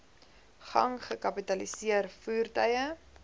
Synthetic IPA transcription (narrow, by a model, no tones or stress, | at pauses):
χɐ̰ŋχəkɐpitɐlisiərfuːrtœjə